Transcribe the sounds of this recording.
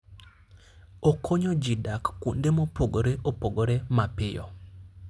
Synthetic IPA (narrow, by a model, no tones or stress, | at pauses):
okʰoɲɔd͡ʒɪdakːundemopʰoɡoɾeʔopoɡoɾemapɪjɔ̰